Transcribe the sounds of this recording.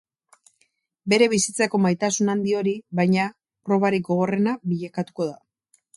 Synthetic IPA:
be̞ɾe̞βisit͡sako̞majt̪asunand̪io̞ɾiβajɲa | pro̞βaɾik̚ɡo̞ɣ̞o̞re̞naβiʎakat̪u̥ko̞ð̞a

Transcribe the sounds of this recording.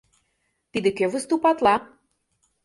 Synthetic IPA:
t̪id̪ĕkøvə̆st̪upɑt̪lɑ

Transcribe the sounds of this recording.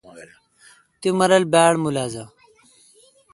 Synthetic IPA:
t̪umɐɾɐlbaːɽmulaːzɐ

